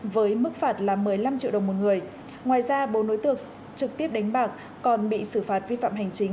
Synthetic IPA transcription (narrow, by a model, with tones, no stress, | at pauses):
vəː˨˦jmɨ˦˥k̚faː˨˩t̚laː˨˩mɨ˨˩əjla˧mt͡ɕḭ˧˨wɗə˨˩wŋ͡mmo˨˩t̚ŋɨ˨˩əj | ŋwaː˨˩jzaː˧ɓo˨˦no˧˦jt̪ɨ̰˧˨˩ək̚ | t͡ɕɨ˨˩k̚t̪i˦˥əp̚ɗa˨˦ŋ̟ɓaː˨˩k̚ | kɔ˨˩nɓḭ˧˨sɨ˧˩faː˨˩t̚vi˧fa̰ː˧˨mɦa˨˩jŋ̟t͡ɕï˨˦ŋ̟